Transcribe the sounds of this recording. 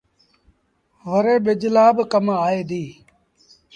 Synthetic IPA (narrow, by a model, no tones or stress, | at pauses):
ʋəɾeːɓed͡ʒlaːbkəmaːaːeːd̪iː